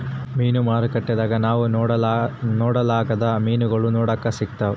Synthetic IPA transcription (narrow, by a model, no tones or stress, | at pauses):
miːnumaːɾikɐʈːɐd̪aːɡɐnaːʋu | nɔːɽɐlaːɡɐd̪ɐmiːnuɡɐɭunɔːɽɐkːɐsik̚t̪ɐʋu